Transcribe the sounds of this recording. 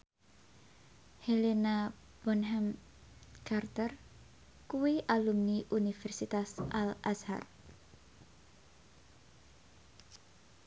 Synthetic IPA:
helena | b̥ɔnɦɛm | kart̪ər | kuwiʔalumniʔunifɛrsit̪asʔalʔasha̰r

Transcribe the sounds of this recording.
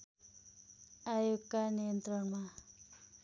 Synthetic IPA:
ajuɡkanijənt̪ɾʌɳma

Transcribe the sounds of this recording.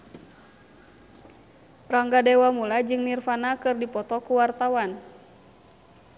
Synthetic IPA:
raŋɡadɛwamulad͡ʒɨŋnirfanakɨrdipɔt̪ɔkuwart̪awan

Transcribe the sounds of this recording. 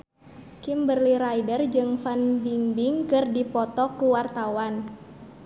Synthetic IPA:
kimbərliɾajdərd͡ʒɨŋfanbiŋbiŋkɨrdipɔt̪ɔkuwart̪awan

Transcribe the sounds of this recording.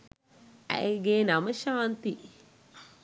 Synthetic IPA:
æ̰jeɡeːnaməʃaːnt̪i

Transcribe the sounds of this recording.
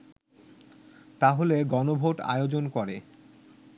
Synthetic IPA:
t̪aɦoleɡɔnobʱoʈa̰jod͡ʑonkɔɾe

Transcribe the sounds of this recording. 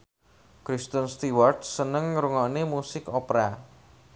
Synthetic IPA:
kɾist̪ənst̪iwartsənəŋɾuŋɔʔnemusɪkopɾa

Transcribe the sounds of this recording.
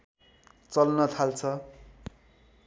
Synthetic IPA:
t͡sʌlnʌt̪ʰalt͡sʰʌ

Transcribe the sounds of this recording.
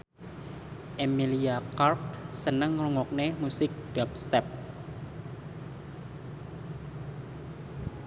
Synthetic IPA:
ʔemiliakark̚sənəŋruŋɔk̚nemusɪk̚ɖ̥ap̚st̪ɛp̚

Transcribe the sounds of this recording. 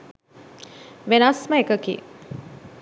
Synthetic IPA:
ʋenasməekəkḭ

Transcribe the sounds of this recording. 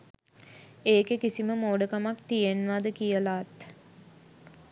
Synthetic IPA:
eːkekisiməmoːɖəkamakt̪ijenʋad̪əkijəlaːt̪

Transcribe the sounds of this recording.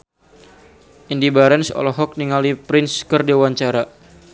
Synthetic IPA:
ʔindibaɾɛnsɔ̰lɔɦɔk̚niŋalipɾɪnskərdewaɲt͡ʃaɾa

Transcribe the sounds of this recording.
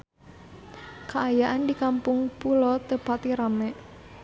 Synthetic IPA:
kaːjaʔandikampʊŋpulɔt̪əpat̪iɾamɛʔ

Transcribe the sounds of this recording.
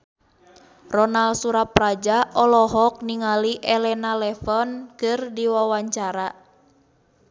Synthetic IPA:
rɔnalsuɾaprad͡ʒaʔɔlɔɦɔk̚niŋaliʔɛlɛnalɛfɔnkɨrdiwawaɲt͡ʃaɾa

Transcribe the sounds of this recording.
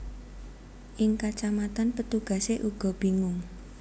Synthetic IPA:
ʔɪŋkat͡ʃamat̪anpət̪uɡ̥ä̤seʔuɡ̥ɔ̤b̥iŋʊŋ

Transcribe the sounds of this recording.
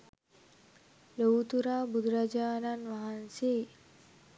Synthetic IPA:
lət̪uɾabud̪ɾad͡ʑananʋaɦanse

